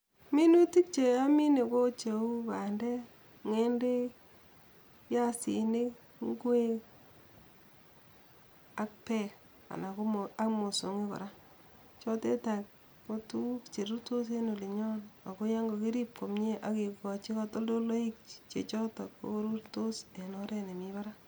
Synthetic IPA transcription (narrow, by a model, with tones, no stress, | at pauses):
mi˦nu˦ti˦k̚t͡ʃe˨a˦mi˦ne˨ko˦t͡ʃe˨u˦ka˨ndɛ˦ | ŋe˦nde˦ | ja˦sḭ˨ne˦ | ŋɡwe˦ | a˦k̚pɛ˦k | a̰˨na˨ko˦ma˦kmo˨so˨ŋi˦kɔ̰˨ɾa˦ | t͡ʃɔ˦te˦ta˨k | ko˦tu˦kt͡ʃe˨ɾu˦to˦se˦no˨li˨ɲɔ˦na˨ko˦ja˦ŋɡo˨ki˦ɾi˦p̚ko˨mɲe˦ʔa˨ki˨kɔ˨t͡ʃi˦ka˦to˦ldo˦lo˦i˦k̚t͡ʃe˨t͡ʃɔ˦ta˨ko̰˨˦ɾu˦ɾto˦se˨nɔɾe˦ne˨mi˦ba˦ɾa˦